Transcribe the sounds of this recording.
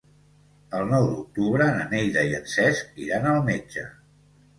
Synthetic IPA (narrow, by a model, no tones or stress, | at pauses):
əlˠnɔwd̪uk̚t̪uβɾəːnənejðəiənsɛskḭɾanəlˠmed͡ʒə̰